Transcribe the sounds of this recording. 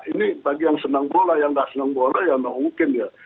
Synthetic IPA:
inibaɡijaŋsənaŋbolajaŋdaʔsənaŋbolajaŋnamuŋkɪndia

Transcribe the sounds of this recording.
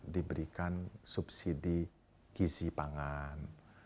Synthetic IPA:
dibəɾikansupsidi | kisipaŋan

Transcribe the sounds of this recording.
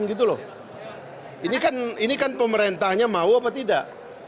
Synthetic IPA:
nɡit̪̬ulɔ̰h | inikaninikanpəməɾent̪ahɲamauapat̪ida̰ʔ

